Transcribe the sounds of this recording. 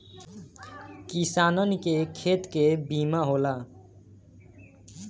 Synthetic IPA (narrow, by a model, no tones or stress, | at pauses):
kisanʌnikekʰet̪kebimaɦola